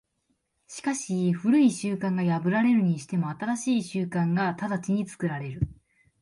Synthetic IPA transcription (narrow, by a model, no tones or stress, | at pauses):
ɕi̥kaɕiɸɯ̟ɾɯ̟iɕɨːkãŋɡajabɯ̟ɾaɾe̞ɾɯ̟ɲ̟iɕi̥t̪e̞mo̞at̪aɾaɕiːɕɨːkãŋɡat̪ad̪at͡ɕiɲ̟it͡sɨ̥kɯɾaɾe̞ɾɯ̟